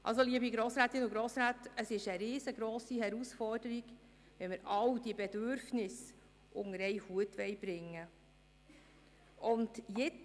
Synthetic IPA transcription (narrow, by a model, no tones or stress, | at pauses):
ʔɑ̰ls̬oliːəbiɡɾoːsɾæːt̪ɪnuɡɾoːsɾaːtəsɪʃəɾɪːzəɡɾoːsihɛɾusfɔrd̥əɾiɡ | ʋɛməɾɑwd̥iəbed̥øɾfnɪs | ʔʊŋəɾɛɪhuətʋɛɪb̥ɾɪŋːə | ʔʊndjɪ